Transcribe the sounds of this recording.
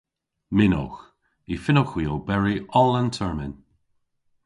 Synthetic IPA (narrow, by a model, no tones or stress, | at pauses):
mɪno̰x | ifɪnɔxwiɔlbɛɹiɔlˠəntʰɛɹmɪn